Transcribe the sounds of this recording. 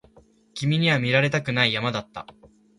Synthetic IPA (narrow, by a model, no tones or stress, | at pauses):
kʲimʲiɲ̟iβamʲiɾaɾe̞t̪akɯ̟naijamad̪at̪ːa̰